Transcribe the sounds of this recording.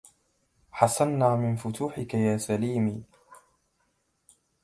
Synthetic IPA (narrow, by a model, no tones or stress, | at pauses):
ħɑsˤanːaːmɪnfʊt̪ʰuːħɪkajaːsaliːmiː